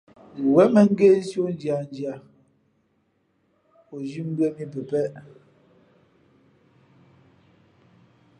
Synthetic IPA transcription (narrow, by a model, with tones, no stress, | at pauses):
wɛ˨˦mɛ˨ŋ̩˦ɡe˦˨n˦sjo˦n˦d͡ʒja˨n˦d͡ʒja˨ | po˨d͡ʒi˦m̩˦bɰɛ˦mi˦p̬ɛ˨pɛ˦ʔ